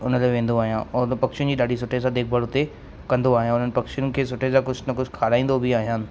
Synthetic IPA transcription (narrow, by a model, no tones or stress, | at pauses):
ʊnəlaʋẽːn̆d̪oaːɦijãnpɐkʃijʊ̃d͡ʑiːɗaːɖʱisʊʈʰesãd̪eːk̚ʰbəɽʊt̪e | kɐ̃nd̪oaːɦijãʊn̤ənɪpɐkʃijʊn̆kʰeːs̬ʊʈʰezãkʊd͡ʑʱnɐkʊd͡ʑʰʱkʰaːɾaːĩːn̆d̪obɪaːɦijaːnɪ̆